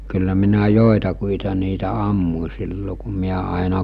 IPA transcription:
kylːæ minæ joˑetɑkuitɑ niːtæ ɑmːu̟ silːo ku miæ ɑˑenɑ

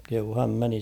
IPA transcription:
kehuː hæm meni

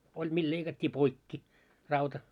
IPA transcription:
olʲ mil leikɑtʲːiː poikːi rɑutɑ

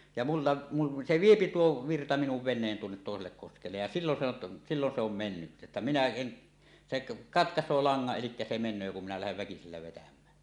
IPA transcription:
jɑ mulːɑ mul se ʋiepi tuo ʋirtɑ minuʋ ʋenˑeːn tuonːet toˑeselːek koskelːej jɑ silːon se on silːon se om menːytːæ etːæ minæ en seʔ kɑtkɑsˑoː lɑŋːɑʔ ʔelikːæ se menˑøː kum minæ læheʋ ʋækiselːæ ʋetæmˑæn

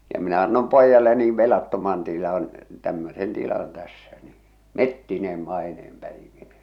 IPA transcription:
jɑ minæ ɑnːom poijɑle niː ʋelɑtːomɑn tilɑn tæmːøsen tilɑn tæsːæ niː metːineːm mɑineːm pæiʋineː

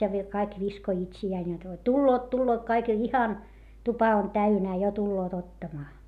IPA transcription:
jɑ ʋi kɑik ʋiskoĭ itsiæːn jot tulːoːt tulːoːt kɑik jo ihɑn tupɑ on tæynæː jo tulːoːt otːɑmɑː

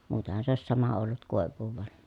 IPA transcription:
muːten̞hɑn̞ se oˑi̯s sɑmɑ olːut koˑeʋˑuːʋ ʋɑn

